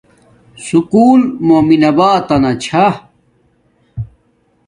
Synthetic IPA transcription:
sukuːlmoːminɐbaːt̪ɐnɐt͡ɕʰa

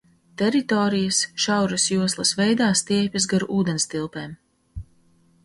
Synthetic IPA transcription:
t̪ɛɾit̪ɔːɾijasʃawɾɐsjuɔslˠɐsvɛjd̪aːst̪iɛjpʲɐsɡaɾuʔuːd̪ɛnst̪ilˠpeːm

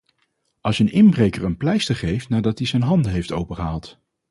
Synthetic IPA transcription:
ɑlˠsənɪnbrejkəɹənplɛjstəχejftnaːɹdɑt̚dizɛjnɦɑndəɦejftowpəχəɦaɑlˠt

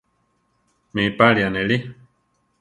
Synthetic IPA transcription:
mĩpalianẽli

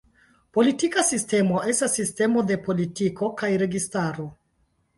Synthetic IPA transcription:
po̞litikasiste̞mo̞e̞stasːiste̞mo̞de̞po̞litiko̞kajɾe̞ɡistaɾo̞

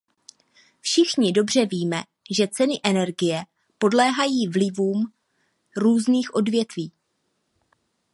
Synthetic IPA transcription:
fʃɪxɲɪdo̞br̝ɛviːmɛ | ʒɛt͡sɛnɪʔɛnɛɾɡɪjɛ | po̞dlɛːɦajiːvlɪvuːm | ɾuːzniːxʔo̞dvjɛt̪viː

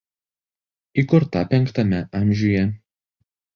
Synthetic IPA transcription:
ikʊɾt̪ɐpʲɛŋkt̪ɐmʲɛʔɐmʲˑʒʲuːjɛ

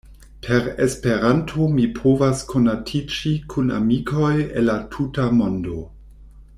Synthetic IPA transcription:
pʰeɾespe̞ɾantʰomipʰovaskʰo̞natʰid͡ʒikʰuna̰mikʰo̞jenlatʰutamo̞ndo̞

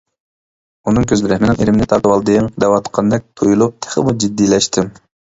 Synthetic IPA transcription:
unɨŋkʲʰøzlɪɾɛhmɪnɪŋeɾɪmɪnɪt̪ʰɑlwɑlˠd̪ɨŋd̪ɛwɑt̪qʰɑnd̪ɛk̚ʲt̪ʰojulˠup̚t̪ʰɛ̥χɪ̰mud͡ʒid̪ːilɛʃt̪ʰɪm

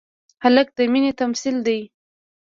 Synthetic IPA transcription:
halək̚d̪əminet̪amsild̪aj

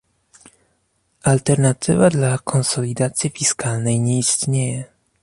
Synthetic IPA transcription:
ʔalt̪ɛɾnat̪ɘvad̪lakʰɔnsɔlʲid̪at̪sʲjifʲiskalnɛjɲɛist̪ɲejɛ

